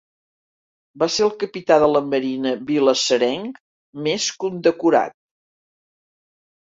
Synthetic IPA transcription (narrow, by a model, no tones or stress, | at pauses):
baseəlˠkəpit̪aðələməɾinəβiləsəɾɛŋk | meskund̪əkuɾa̰t̪̚